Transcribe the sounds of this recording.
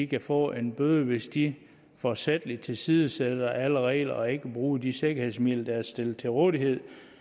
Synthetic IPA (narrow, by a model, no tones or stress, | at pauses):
ikʰæfɒ̰ːʔe̝nb̥øðˠəʋe̝sd̥i | fɒsed̥əlid̥̚t͡sʰe̝lsiːðˠəsed̥ɐʔæləʁɛ̰ɪ̰lɐʔɒ̽e̝ɡ̥əb̥ʁuːd̥ise̝ɡ̥ɐhe̝ð̰ˠsmið̰lɐd̥æɐsd̥e̝lt͡sʰe̝ʁɔːðˠiɦe̝ð̞̰ˠ